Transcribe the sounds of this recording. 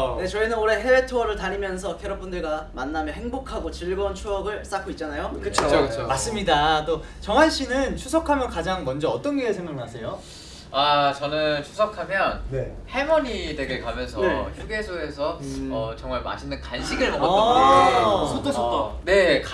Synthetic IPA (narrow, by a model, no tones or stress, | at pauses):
ne̞t͡ɕʌinɯnoɾe̞ɦe̞betʰoʌɾɯɭtaɾimjʌnsʰʌkʰeɾʌp͈ʰundɯɭɡamanːamjʌɦe̞ŋbokʰaɡot͡ɕiɭbʌnt͡ɕʰoʌɡɯɭs͈ak͈ʰoit̚t͡ɕ͈anajokɯt͡ɕʰookɯt͡ɕʰomas͈ɯmɲidat͈ot͡ɕʌŋɦanɕ͈ʰinɯnt͡ɕʰusʰʌkʰamjʌnkad͡ʑaŋmʌnd͡ʑʌːt͈ʌnɡeːsʰeŋɡʌŋmasʰe̞jo | at͡ɕʌnɯnt͡ɕʰu̥sʰʌkʰamjʌnne | he̞mʌɲideɡɯɭkamjʌnsʰʌeçuɡesʰoesʰʌʌt͡ɕʌŋmaɭma̰ɕʰinːɯnkanɕʰiɡɯɭkʌʌ | sʰot͈oot͈one̞k